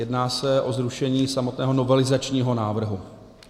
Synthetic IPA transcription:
jɛdnaːsɛʔo̞zɾuʃɛɲiːsamot̪nɛːɦo̞no̞vɛlɪzat͡ʃɲiːɦo̞naːvr̩ɦu

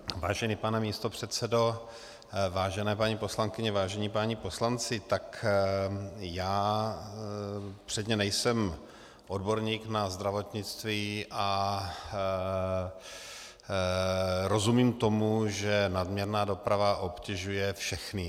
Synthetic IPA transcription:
vaːʒɛnipanɛmiːst̪o̞pr̝̥ɛt̪t͡sɛdo̞ | vaːʒɛnɛːpaɲipo̞slaŋkɪɲɛvaːʒɛɲipaɲipo̞slant͡sɪt̪ak | jaː | pr̥ɛd̪ɲɛnɛjsɛm | ʔo̞dbo̞ɾɲiːknazd̪ɾavo̞t̪ɲɪt͡st̪viːʔa | ɾo̞zumiːmt̪o̞muʒɛnadmɲɛɾnaːdo̞pɾavaʔo̞pcɛʒujɛfʃɛxnɪ

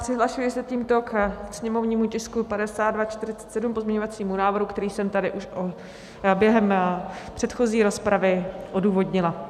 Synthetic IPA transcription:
sɪɦlaʃujɪsɛt̪iːmt̪okksɲɛmovɲiːmucɪskupadɛsaːd̪dvat͡ʃt̪ɪɾɪt͡sɛ̥t̪sɛdumpozmɲɛɲo̞vat͡siːmunaːvr̩ɦukt̪ɛɾiːsɛmt̪adɪʔuʃo | bjɛɦɛmpr̝̥ɛt̪xo̞ziːɾo̞spɾavɪʔo̞duːvo̞dɲɪla

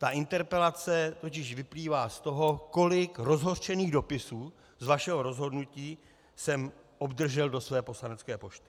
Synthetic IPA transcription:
t̪aʔɪnt̪ɛɾpɛlat͡sɛt̪o̞c̬ɪʃvɪpliːvaːst̪o̞ɦo̞ko̞lɪkɾo̞zɦo̞rʃɛniːɣdo̞pɪsuː | zvaʃɛɦo̞ɾo̞zɦo̞dnuciː | sɛm | ʔo̞bdr̩ʒɛldo̞svɛːpo̞slanɛt͡skɛːpo̞ʃt̪ɪ̥

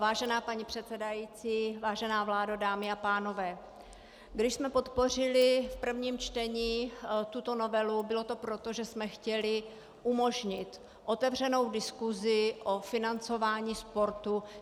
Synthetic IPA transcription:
vaːʒɛnaːpaɲipr̥ɛt̪sɛdajiːt͡siːvaːʒɛnaːvlaːdadaːmɪapaːno̞vɛː | ɡdɪʃsmɛpo̞t̪po̞r̝ɪlɪfpr̩vɲiːmt͡ʃt̪ɛɲiːt̪ut̪o̞no̞vɛlubɪlo̞t̪o̞pɾo̞t̪o̞ʒɛsmɛxcɛlɪ | ʔumo̞ʒɲɪt̪ | ʔo̞t̪ɛvr̝ɛno̞wdɪskuzɪʔo̞fɪnant͡so̞vaːɲiːspo̞ɾt̪u

